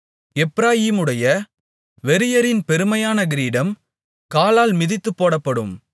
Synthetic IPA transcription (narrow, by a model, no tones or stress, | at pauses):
ɛpːɾaːjiːmɯɽɐjɐ | ʋɛɾɪjɐɾɪnpɛɾɯmɐjaːnɐɡɪɾiːɽɐm | kaːlaːlmɪðɪt̪ːɯpːoːɽɐpːɐɽɯm